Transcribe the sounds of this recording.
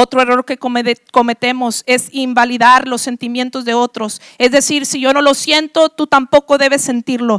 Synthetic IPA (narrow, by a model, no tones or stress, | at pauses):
ot̪ɾoe̞ro̞ɾke̞komeko̞me̞t̪e̞mo̞se̞simbaliðaɾlo̞sːe̞nt̪imjẽ̞nt̪o̞zðe̞o̞t̪ɾo̞s | e̞zðe̞siɾsiʝo̞no̞lo̞sje̞nt̪o̞t̪ut̪ampo̞ko̞ðe̞βe̞sːe̞nt̪iɾlo̞